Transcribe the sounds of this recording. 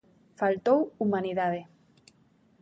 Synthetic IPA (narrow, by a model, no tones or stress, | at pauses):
falt̪owumaniðaðe